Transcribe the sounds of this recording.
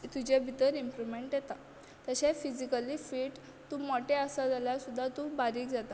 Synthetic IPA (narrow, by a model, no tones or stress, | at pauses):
t̪ud͡ʑebʱit̪əɾimpɾumeɳʈjet̪a | t̪əɕefid͡ʑikəliːfiːʈ | t̪umɔʈeəsad͡zaljasud̪ʱːat̪ubaɾiːkd͡zat̪a